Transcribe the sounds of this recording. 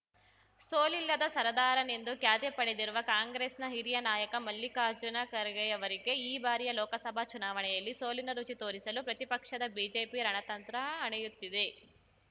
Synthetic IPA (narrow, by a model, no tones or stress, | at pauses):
soːlilːɐd̪ɐsɐɾɐd̪aːɾɐne̞nd̪ukjaːt̪jepɐɽed̪iɾuʋɐkaːŋɡɾeːsnɐɦiɾijɐnaːjɐkɐmɐlːikaːd͡ʒunɐkɐɾɐɡɛjɐʋɐɾiɡe̞iːbaːɾijɐlɔːkɐsɐbʱat͡ʃunaːʋɐɳɛjɐlːiso̞ːlinɐɾut͡ʃit̪o̞ːɾisɐlupɾɐt̪ipɐkʂɐd̪ɐbiːd͡ʒeːpiɾɐɳɐt̪ɐnt̪ɾɐːɳɐjut̪ːid̪e̞